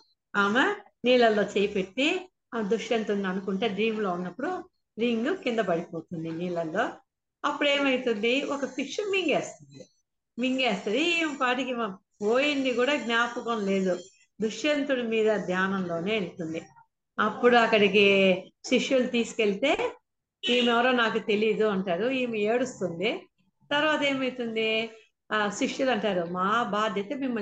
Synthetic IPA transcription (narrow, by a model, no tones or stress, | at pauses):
aːmɐ | niːlɐlːo̞ːt͡ʃeːjipe̞ʈːi | d̪uʂjɐnt̪unːɐnukuɳʈe̞ːɖɾiːmlo̞ːunːɐpːuɽu | ɾiŋɡukind̪ɐbɐɽipo̞ːt̪und̪iniːlɐlːo̞ː | ɐpːuɽe̞ːmɐjt̪und̪iɔkɐpikʂɐmiŋɡe̞ːst̪und̪i | miŋɡeːst̪ɐd̪impaːʈikimɐpoːjind̪ikuːɽaːɡnjaːpɐkonle̞ːd̪u | d̪uʂjɐnt̪uɽimiːd̪ɐd̪ʱjaːnɐmlo̞ːne̞ːelut̪und̪i | ɐpːuɽuɐkːɐɽik̬iʃiʂjulut̪iːsu̥kelit̪e̞ː | iːmɛʋɐɾo̞ːnaːkut̪e̞liːd̪uɐɳʈaːɾuiːmieːɽust̪und̪i | t̪ɐɾʋaːt̪ɐe̞ːmɐjit̪und̪i | ʃiʂjulɐɳʈaːɾumaːbaːd̪ʱjɐt̪emimːɐ